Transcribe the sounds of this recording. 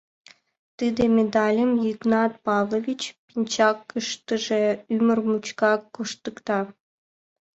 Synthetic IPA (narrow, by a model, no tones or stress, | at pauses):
t̪ɨd̪ʲemʲed̪ɑlʲĕmjiɡnɑt̪pɑvlˠovʲit͡ɕpʲinʲt͡ɕɑkːɯʂt̪ə̆ʒeymʲɘ̆rmut͡ɕkɑkːuʂt̪ɯ̆kt̪ɑ